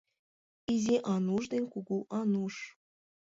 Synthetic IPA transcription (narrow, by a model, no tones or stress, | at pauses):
izʲeʔɑnuʐd̪enʲkuɡuʔɑnuʃ